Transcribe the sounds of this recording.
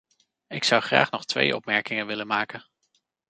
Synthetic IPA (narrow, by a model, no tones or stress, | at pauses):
ɪksʌwχra̰ːχnɔχtʋḛjʔɔ̰pmɛɹkɪŋənʋɪlənmaːkən